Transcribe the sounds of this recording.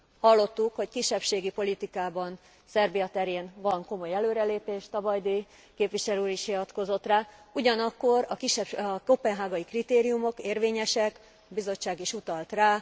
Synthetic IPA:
hɒlːo̞t̪ːukho̞ckiʃːɛpʃeːɡipo̞lit̪ikaːbɒn | sɛrbijɒt̪ɛɾeːnvɒŋko̞mo̞jɛløːɾɛleːpeːʃt̪ɒbɒjd̪eː | keːpʋiʃɛløuɾiʃiɒt̪ko̞zo̞t̪raːuɟɒnɒkːo̞ɾɒkiʃɛkopɛnɦaːɡɒikrit̪eːɾijumo̞keːrʋeːɲɛʃɛk | bizo̞t͡ʃːaːɡiʃut̪ɒlt̪raː

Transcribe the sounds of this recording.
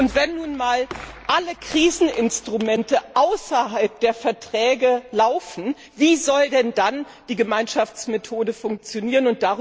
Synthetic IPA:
ʊntv̥ɛnːuːnmaːlʔaləkʁ̥iːzn̩ʔɪnstʁ̥umɛntəʔaʊsɐɦalp̚d̥eːɐfɛɐtʁ̥ɛːɡəlaʊfn̩ | viːzɔldɛndan | d̥iːɡəmaɪnʃaft͡smetʰoːdəfʊŋk̚t͡sjoniːʁənʊnt̚d̥aʁ

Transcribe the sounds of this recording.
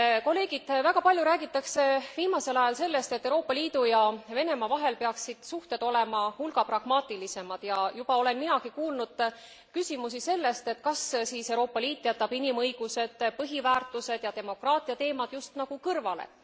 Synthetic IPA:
ko̞lːe̞ːɡ̥id̪̥væɡɑpɑlʲjuɾæːɡ̥it̪ːˑɑkse̞viːmɑse̞lɑjɑlse̞lːe̞st̪et̪ːewɾo̞ːpːˑɑliːd̪̥ujɑve̞ne̞mɑvɑɦe̞lpe̞ɑksid̪̥suht̪e̞d̪o̞le̞mɑhulɡɑprɑɡ̥mɑːt̪ːˑilise̞mɑd̪̥jɑjubɑo̞le̞nminɑkikuːlnud̪̥ | kysimus̬ise̞lːe̞st̪et̪ːˑkɑssiːsewɾoːpːˑɑliːt̪ːˑjæt̪ːˑɑb̥inimɤjɡ̥use̞d̪̥pɤɦivæːrt̪ˑuse̞d̪̥jɑt̪e̞mo̞krɑːt̪ˑiɑt̪e̞ːmɑd̪̥just̪nɑɡ̥ukɤrvɑlḛ

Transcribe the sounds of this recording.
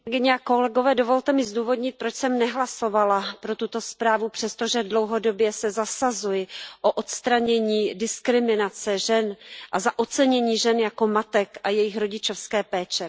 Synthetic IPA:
ɡɪɲɛako̞lɛɡo̞vɛːdovo̞lt̪ɛmɪzduːvo̞dɲɪt̪̚pɾo̞t͡ʃsɛmnɛɦlaso̞valapɾo̞t̪ut̪o̞spɾaːvupr̥ɛst̪oʒɛdlo̞wɦo̞do̞bjɛsɛzasazujɪʔoʔot̪st̪ɾaɲɛɲiːdɪskɾɪmɪnat͡sɛʒɛnʔazaʔot͡sɛɲɛɲiːʒɛnjako̞mat̪ɛkʔajɛjɪxɾo̞ɟɪt͡ʃo̞fskɛːpɛːt͡ʃɛ

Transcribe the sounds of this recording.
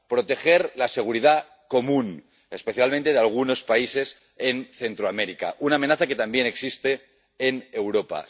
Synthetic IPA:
pɾo̞t̪e̞xe̞ɾlase̞ɣ̞uɾiða | ko̞mũn | e̞spe̞θjalmẽnt̪eealɣ̞uno̞spaise̞s | enθe̞nt̪ɾoameɾika̰ʔunaːme̞naθake̞t̪ambje̞ne̞ksist̪e̞ː | ne̞wɾo̞pa̰

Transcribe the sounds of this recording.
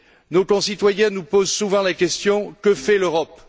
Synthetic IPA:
nokɔ̃sit̪wajɛ̃nupozsuvɑ̃lakʲɛst̪jɔ̃kəfɛløʁɔp

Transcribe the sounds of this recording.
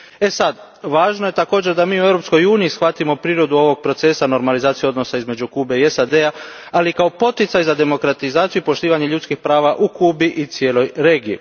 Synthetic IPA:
e̞sad̪ | ʋaːʒno̞jet̪ako̞ːd͡ʑeɾd̪amiːuevɾo̞psko̞juːniisxʋat̪imo̞pɾiːɾo̞d̪uo̞ʋo̞ɡ̚pɾo̞t̪se̞sano̞ɾmalizaːt̪sijuo̞d̪no̞saizme̞d͡ʑukuːbe̞iesad̪ea | alikao̞po̞t̪it̪sajzad̪e̞mo̞kɾat̪izaːt̪siuipo̞ʃt̪iːʋaɲe̞ʎut̪skixpɾaːʋaʔukuːbiʔit̪sje̞ːlo̞jɾe̞ːɡijḭ

